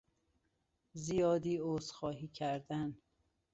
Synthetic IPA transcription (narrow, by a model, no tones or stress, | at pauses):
zijɒːd̪iːoːzxɒːɦiːcʰæɾd̪æn